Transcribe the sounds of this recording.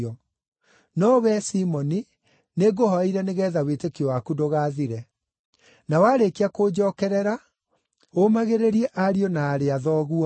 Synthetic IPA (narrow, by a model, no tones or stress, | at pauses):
ɔ | nɔwɛsimɔni | neɡohɔiɾɛneɣɛːðawetekiɔwakudoɣaːðiɾɛ | nawaːɾekiakoːd͡ʑɔːkɛɾɛɾa | omaɣeɾeɾiɛʔaɾiɔnaːɾeaðɔːɣuɔ